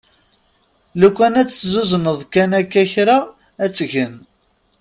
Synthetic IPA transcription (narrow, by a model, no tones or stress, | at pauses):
lukʷːænæt͡sːzuzənəðˤkænækːæçɾaː | t͡sːʝən